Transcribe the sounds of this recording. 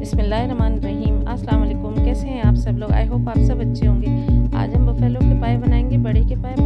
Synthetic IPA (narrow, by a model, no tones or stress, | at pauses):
bɪsmɪlːaːɦeɾɐmaːnɾɐɦiːmɐsɐlaːmɐleːkʊmkɛːseɦɛ̃aːpsɐbloːɡa̰ːeɦoːpaːpsɐbːɐtːʃʰeɦõːŋɡeːa̰ːd͡ʒɦɐmbɐfɛːloːkepaːjebɐnaːẽːŋɡebɐɽekepaːeb